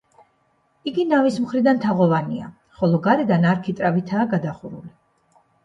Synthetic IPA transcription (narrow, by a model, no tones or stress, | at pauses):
iɡinavismχɾid̪ant̪ʰaʁɔvania̰ | χɔlˠɔɡaɾɛd̪anaɾkʰit̪ʼɾavit̪ʰaːɡad̪aχuɾṵli